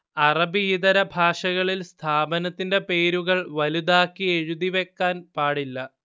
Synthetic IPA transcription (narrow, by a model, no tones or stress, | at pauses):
ɐrɐbiːðɐɾɐbʱaːʂɐɣɐɭilst̪ʰaːbɐnɐt̪ːinde̞pe̞ːɾuɣɐɭʋɐlud̪aːkːie̞ɻuðiʋe̞kːaːnpaːɽilːɐ